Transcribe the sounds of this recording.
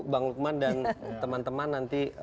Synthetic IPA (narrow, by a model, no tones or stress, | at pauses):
baŋluk̚mandant̪əmant̪əmanːant̪i